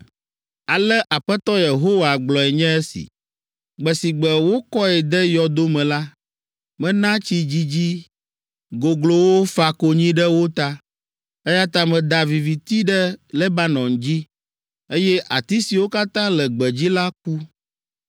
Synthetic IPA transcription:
a˨lɛ˦ʔa˨ɸɛ˦t̪ɔ˦je˨ɦo˦wa˨ɡ͡blɔ˨ɛ˨ɲɛ̃˦e˦sḭ˨ | ɡ͡bɛ˨si˨ɡ͡bɛ˨wo˦kɔ˦ɛ˨d̪ɛ˦jɔ˨d̪o˦mɛ̃˨la˦ | mɛ̃˦nã˦t͡ɕi˦d͡ʑi˦d͡ʑi˦ | ɡo˨ɡlo˨wo˦fa˨ko˨ɲĩ˦ɖɛ˦wo˦t̪a˦ | e˦ja˦t̪a˦mɛ̃˨d̪a˨vi˨vi˨t̪i˦ɖɛ˦le˦ba˦nɔ̃˨ŋd͡ʑi˦ | e˦jɛ˦ʔa˨t̪i˦si˨wo˦ka˦t̪ã˦lɛ˨ɡ͡bɛ˨d͡ʑi˦la˦k̚u˦

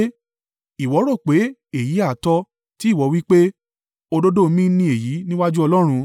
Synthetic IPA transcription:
i˨wɔ˨˦ɾɔ˦˨k͡pe˨˦e˨ji˨˦a˦˨tɔ˧ | ti˦˨wɔ˨˧wi˦k͡pe˦ | o˧do˦do˦˧mĩ˦nĩ˧e˨ji˨˦nĩ˦wa˦d͡ʒu˦ɔ˧lɔ˦ɾ̃ũ˧

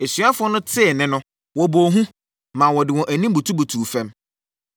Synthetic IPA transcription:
e˨sɥa˦fʊ˦ɔ˦nʊ̃˦tʰɪ˦ɛ˨nɪ̃˦nʊ̃˦ | wɔ˨bo˨ɦũ˦ | mã˨wɔ˨dɪ˨wɔ̃˨ʔæ˨nĩ˦m˦bu˨tʰu˦bu˨tʰuː˨fɛ̃˦m

